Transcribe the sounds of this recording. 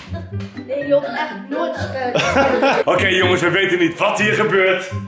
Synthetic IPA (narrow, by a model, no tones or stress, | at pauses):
nejoəɛχəotχəa | okejjoŋəsʋəʋejtənːitʋɑtɦiːɹχəbøːɹt